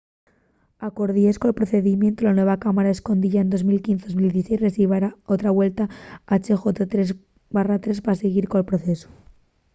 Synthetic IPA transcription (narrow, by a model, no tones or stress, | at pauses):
ako̞ɾðiejskoelpɾoθe̞ðimjent̪olanwe̞βakamaɾae̞sko̞nd̪iʝaend̪o̞zmilkinθeozmild̪isejsresiβaɾaot̪ɾaβwe̞lt̪aat͡ʃexot̪et̪ɾez | barat̪ɾe̞spaaseɣ̞iɾkolpɾoθe̞so̥